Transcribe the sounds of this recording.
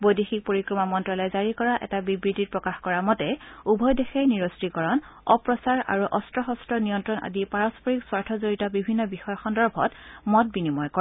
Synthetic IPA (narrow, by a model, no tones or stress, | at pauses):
bojdixik̚poɹikɹɔmamɔntɹɔlɔjzaɹikɔɹaʔɛ̰tabibɹitit̚pɹɔkaxkɔɹamɔtɛubʱɔjdexɛjniɹostɹikɔɹɔnɔpɹɔsaɹa̰ɹuʔɔstɹɔxɔstɹɔnijɔntɹɔnʔa̰dipaɹɔspʰɔɹikswaɹtʰɔzoɹitɔbibʱinːɔbixɔjɔxɔndɔɹbʱɔ̰tmɔt̚binimɔjkɔ